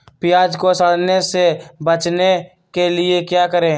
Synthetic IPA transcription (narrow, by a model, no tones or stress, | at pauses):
pɪjaːd͡ʒkosəɽnesebət͡ʃne | kelɪekjaːkəɾẽ